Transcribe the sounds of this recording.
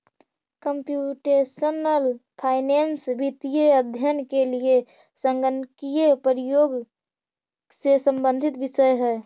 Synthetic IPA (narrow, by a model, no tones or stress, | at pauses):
kəmpjuʈesənəlpʰaɪnensbit̪ijeəd̪ʱjənkelie | səŋɡənkijepəɾijoɡ | sesəmbə̃nd̪ʱit̪bisəjɦɛː